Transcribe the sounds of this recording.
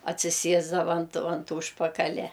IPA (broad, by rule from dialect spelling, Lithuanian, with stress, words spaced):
ɐtʲsʲɪˈsʲiɛzdɐʋɐ ɐnt ɐnt ˈuːʃpɐkɐlʲɛ